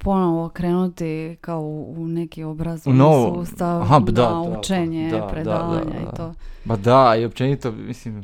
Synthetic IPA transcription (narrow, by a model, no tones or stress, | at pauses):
po̞noʋokɾeːnut̪ikaounekio̞bɾazunoʋouːst̪aʋaɦad̪aut͡ʃeɲepɾed̪aːʋa̰ɲa̰ḭt̪oːpad̪aiop̚t͡ʃenit̪omislim